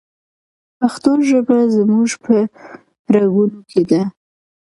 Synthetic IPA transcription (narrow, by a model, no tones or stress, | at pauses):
paxt̪oʒəbɽazəmuʒpə | ɾaɣunokʰed̪a